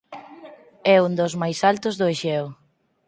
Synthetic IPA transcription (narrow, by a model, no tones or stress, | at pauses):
ɛund̪ozmajsalt̪ʊzðʊeʃɛw